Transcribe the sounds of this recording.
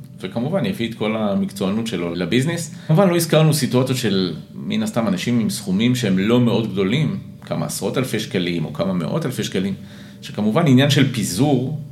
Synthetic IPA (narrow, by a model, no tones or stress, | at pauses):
vekamuvanjafit̪ko̞lamikt͡soanutʃelolabiznismuvanlo̞izkaʁnusituat͡sjotʃe̞l | minast̪amanaʃimimsχumimʃehemlo̞meo̞dɡdo̞lim | ka̰ma̰ːsʁo̞talfeʃkalimo̞̰kamame̞̰ʔo̞̰talfeʃkalim | ʃekamuvaninjanʃe̞lpizuʁ